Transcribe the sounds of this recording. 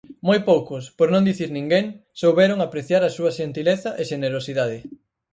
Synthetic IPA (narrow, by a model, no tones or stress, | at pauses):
mojpowkʊspoɾnõnd̪iθiɾnĩŋɡeŋsowβɛɾoŋapɾeθjaɾɐsuɐʃent̪ileθɐʔeʃeneɾosiðaðɪ